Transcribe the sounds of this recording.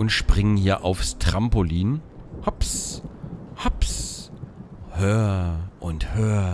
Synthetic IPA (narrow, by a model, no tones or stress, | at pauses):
ʔʊntʃpʁ̥ɪŋənhiːɐʔaʊfstʁ̥ampoliːnhaps | haps | høːɐʔʊnthøːɐ